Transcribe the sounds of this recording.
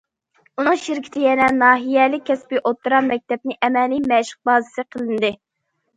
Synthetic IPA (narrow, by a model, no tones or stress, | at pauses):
unɨŋʃiɾkʲʰi̥t̪ʰɪjɛnɛnɑːɦijɛlɪk̚ʲʰːɛspiʔot̪ʰːɨɾɑmɛk̚ʲt̪ʰɛp̚nɪʔɛmɛlimɛʃə̥q̚bɑːzɨsɨqʰəlˠɨnɨd̪ɨ